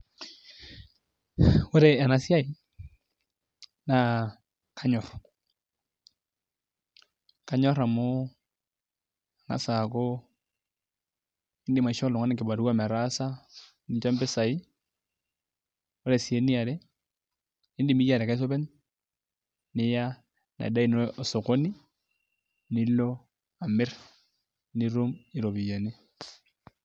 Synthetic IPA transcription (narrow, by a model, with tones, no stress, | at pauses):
ʊ˦ɾe˨ɛ˨na˦sja˦i˨ | na˦ | kʰa˦ɲɔ˨r | ka˦ɲɔ˦ɾa˨mʊ˦ | a˨na̰˨sa˨ko˦ | ɪ˦ndɪ˨ma˨i˨ʃɔ˦lʊ˨ŋa˦nɪ˨kɪ˨ba˨ɾu˦wa˦mɛ˨ɾa˦sa˦ | nɪ˦t͡ʃo˦mbɪ˦sa˨i˦ | o˦ɾe˨si˨e˦ni˦a˨ɾe˦ | ɪ˦ndɪ˨mi˦ja˨ɾe˨ka˦ɪ˦s̬o˦bɛ˦n | nɪ˦ja˦ | na̰˨da˦i˨nɔ˨so˨ko˦ni˦ | nɪ˦lo˦ | a˨mɪ˦r | ni˦ɾu˦mɪ˨ɾo˨bi˨ja˨ni˦